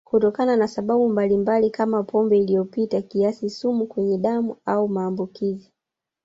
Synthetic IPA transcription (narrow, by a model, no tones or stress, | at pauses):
kutɔkananasaɓaɓumbalimbalikamapʰɔmbɛilijɔpitakiasisumukwɛɲɛɗamuaumaːmbukizi